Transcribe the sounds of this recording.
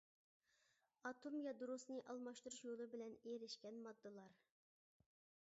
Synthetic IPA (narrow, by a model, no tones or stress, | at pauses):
ɑt̪ʰomjɑd̪uɾusnɨʔɑlˠmɑʃt̪uɾuʃjolˠɨbɪlɛneɾɪʃkʲɛnmɑd̪ːɨlˠɑɾ